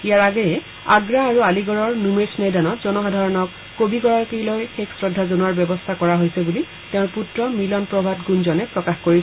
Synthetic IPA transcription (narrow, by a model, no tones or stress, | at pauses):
ijaɹaɡɔjɛ | a̰ɡɹaːɹualiɡɔɹɔɹnumesnejdanɔtzɔnɔxadʱaɹɔnɔkːobiɡɔɹaɹkejlojxeksɹɔdʱːazonuaɹbjɔbɔstʰakɔɹaɦojsɛbuli | teʊ̃ɹputɹɔmilɔnpɹɔbʱatɡunzɔnɛpɹɔkaxkoɹis